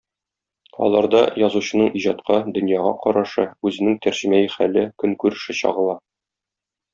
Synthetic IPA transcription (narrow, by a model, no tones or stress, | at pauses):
ɒ̰lˠɑɾd̪ɑjɒzuɕɤ̆nɤɴiʑɑt̪qɑd̪ɵ̆njɑʁɑ̰qɒɾɑʃɤʉzɘ̆nɘŋt̪æɾʑɘ̆mæjɘχælɘkɵŋkʉɾɘ̆ʃɘɕɒ̰ʁɤ̆lˠɑ